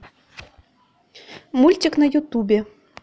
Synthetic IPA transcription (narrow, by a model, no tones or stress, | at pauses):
mulʲtʲiknɐjut̪ubʲe